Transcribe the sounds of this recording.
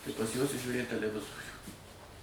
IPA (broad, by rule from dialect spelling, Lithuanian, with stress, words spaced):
tɐɪ pɐs juɔs ɪ ʒʲuːˈrʲeːt tʲɛlʲɛˈʋʲɪzoːrʲuː